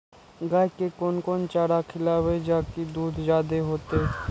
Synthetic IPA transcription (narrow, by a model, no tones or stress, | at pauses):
ɡaːkekoːnkoːnt͡ʃaːɽakʰɪlawed͡ʒaːkid̪uːd̪d͡ʒaːd̪eɦoːt̪e